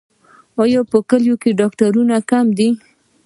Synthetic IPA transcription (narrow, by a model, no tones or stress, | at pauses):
ɑjɑpəkəljokeɖɑkʈaɾunakamd̪i